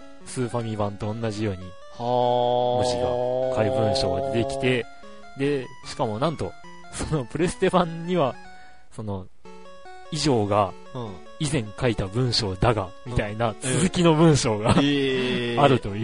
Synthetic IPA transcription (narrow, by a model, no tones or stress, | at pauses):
sɨːɸamʲibãnt̪õ̞ːnːaʑijo̞ːɲ̟i | moɕiɡa̰kaibɯ̟̃ɰ̃ɕo̞̰ːɡad̪e̞kʲi̥t̪e̞ | d̪e̞ | ɕi̥kamo̞nãnt̪o̞ | so̞no̞pɯ̟ɾe̞sɨ̥t̪e̞bãɲ̟ɲːiβa | so̞no̞ | iʑo̞ːɡa | izẽ̞ŋkait̪abɯ̟̃ɰ̃ɕo̞ːd̪aɡamʲit̪ainat͡sɨzɨkʲino̞bɯ̟̃ɰ̃ɕo̞ːɡa | aɾɯ̟t̪o̞jɯ